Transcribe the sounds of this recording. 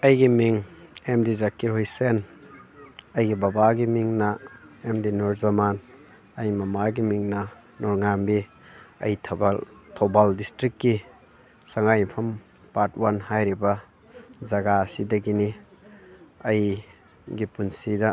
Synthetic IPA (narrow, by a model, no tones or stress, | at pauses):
ɐjɡimiŋemdizakːiɾɦojsen | ɐjɡibabaɡimiŋnɐemdinoɾzɐman | ɐjmɐmaɡimiŋnɐ | nɔɾŋambi | ɐ̰jʰ | tʰobaldistɾikːi | saŋajpʰɐm | pat̚wanhajɾibɐ | zɐɡasidɐɡini | ɐj | ɡipunsidɐ